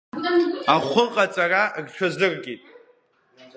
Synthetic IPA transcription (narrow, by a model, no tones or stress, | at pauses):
aχʷʊqʼat͡sʼaraɡt͡ʃʰazɨrɡʲʼitʼ